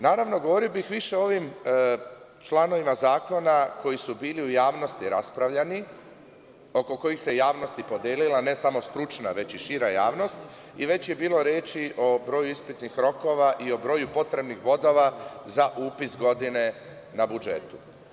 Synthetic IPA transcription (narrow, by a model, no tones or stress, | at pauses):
naːɾaʋno̞ɡoʋo̞ɾiobixʋiʃe̞o̞ʋim | t͡ʃlˠano̞ʋimazaːko̞nako̞jisubiːliujaːʋno̞st̪iɾa̰spɾaʋʎani | o̞ko̞ko̞jixse̞jaːʋno̞st̪ipo̞d̪jeːlilane̞samo̞st̪ɾut͡ʃnaʋe̞t͡ɕiʃiɾajaːʋno̞st̪ | iʋe̞t͡ɕje̞biːlˠo̞ɾjeːt͡ʃiʔo̞bɾo̞ːjuispit̪nixɾo̞ko̞ʋaʔio̞bɾo̞ːjupo̞t̪ɾe̞bnixʋo̞d̪o̞ʋazaʔuːpisɡo̞d̪ine̞ | nabud͡ʒe̞̰t̪u̥